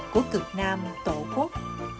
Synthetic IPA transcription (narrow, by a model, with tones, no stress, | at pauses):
ku˧˩ək̪ɨ˨˩ək̚naː˧ma˨˩t̪o̰˧˨ku˦˥k̚